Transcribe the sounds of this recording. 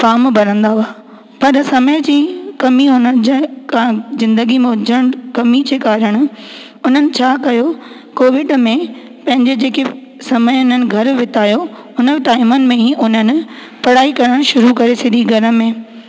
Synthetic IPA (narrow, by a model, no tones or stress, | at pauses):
faːmbʱɐɾə̃nd̪aɦʊaː | pɐɾsɐməjd͡ʑiːkɐmiɦʊnəd͡ʑkazɪ̃nd̪əɡimẽʊd͡ʑəɽ̃kɐmid͡ʑeːkaːɾəɽ̃ʊ̆ | ʊn̤ənɪ̆t͡ɕʰaːkɐjo | koːʋɪɖmẽ | pɐ̃ɦɪ̃ɲd͡ʑed͡ʑeːke | sɐməjʊn̤ənɪ̆ɡʱɐɾʋɪt̪aːjo | ʊnəʈaːɪmənɪ̆mẽĩʔʊnənɪ̆ | pɐɽ̤aːikɐɾəɽ̃ʃʊɾukɐɾesɪd̪ʱiɡʱɐɾə̆mẽː